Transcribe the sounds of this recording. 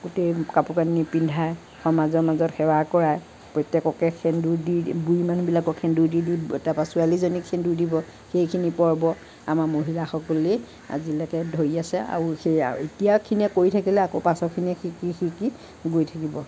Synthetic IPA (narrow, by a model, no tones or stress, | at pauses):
ɡutejkapukanipindʱaj | xɔmazɔɹmazɔtxɛwakɔɹaj | pɹɔjtɛkɔkɛkʰɛnduɹdibujmanubilakɔkʰɛndudiditapasualizonikʰːɛnduɹdibɔ | xejkʰinipɔɹbɔ | a̰maɹmoɦilaxɔkɔle | a̰zilakɛdʱoɹiasɛa̰ɹuxej̰ḭtijakʰiniɛkoɹitʰakilɛakopasɔkʰiniɛxikixiki | ɡojtʰakibɔ